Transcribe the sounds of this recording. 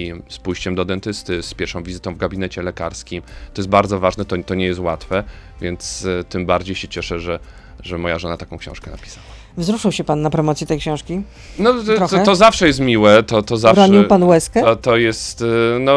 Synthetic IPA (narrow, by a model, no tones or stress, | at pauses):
ispujɕt͡ɕɛmd̪ɔd̪ɛnt̪ɘst̪ɘspʲjɛɾfʂɔ̃w̃vʲizɘt̪ɔ̃w̃vɡabʲinɛt͡ɕɛlɛkaɾskʲimt̪ɔjɛst̪baɾd̪zɔvaʐnɛt̪ɔt̪ɔɲɛjɛst̪wat̪fɛ | vʲjɛnt̪st̪ɘmbaɾd͡ʑejɕɛt͡ɕɛʂɛʐɛ | ʐɛmɔjaʐɔnat̪akɔ̃w̃kɕɔ̰̃w̃ʂkɛnapʲi̥sawa | vzɾuʂɨwɕɛpanːapɾɔmɔt̪sjiɛt̪ɛjkɕɔ̃w̃ʂkʲi | nɔt̪ɔzafʂɛjɛs̬t̪mʲiwɛt̪ɔt̪ɔzafɾaɲiwpanwɛskɛt̪ɔjɛst̪nɔ